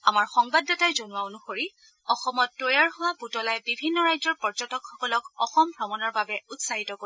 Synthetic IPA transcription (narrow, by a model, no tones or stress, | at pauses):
amaɹxɔŋbadːɔtajzonʊwaonuxoɹi | ɔxɔmɔtːojaɹɦʊwabutɔlajbibʱinːɔɹajzɔɹpɔɹzɔtɔkxɔkɔlɔkɔxɔmbʱɹɔmɔnɔɹbabɛutsaɦitɔko